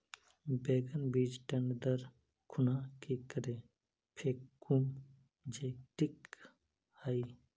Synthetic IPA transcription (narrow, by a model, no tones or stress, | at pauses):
beːɡənbiːd͡ʒʈɐɳɖd̪əɾ | kʰʊnaːkikəɾeː | pʰeːkum | d͡ʒeːʈik | hai